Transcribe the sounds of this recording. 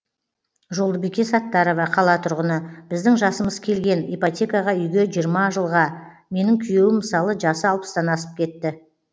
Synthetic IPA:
ʒo̞lˠd̪əbijkʲesɑt̪ːɑɾo̞vɑqʰɑlˠɑt̪ʰʊɾʁənəb̥ɪzd̪ɪŋʒɑsəməzkʲʰe̞lɡʲe̞nepot̪ʲʰe̞kɑʁɑʏjɡʲe̞ʒijəɾmɑʒəlˠʁɑ | me̞nɪŋkʲʰʏje̞wɪmːəsɑlˠəʒɑsəɑlˠpə̥st̪ɑnɑsə̥p̚kʲʰe̞t̪ːɪ

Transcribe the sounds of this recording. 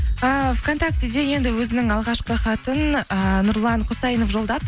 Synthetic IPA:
əvkʰo̞nt̪ak̚t̪ʲe̞d̪e̞je̞nd̪ɪwɵzɪnɪŋɑlˠʁɑʃqəχɑt̪ənənʊɾlˠɑɴqʰʊsɑjənofʒo̞lˠd̪ɑp

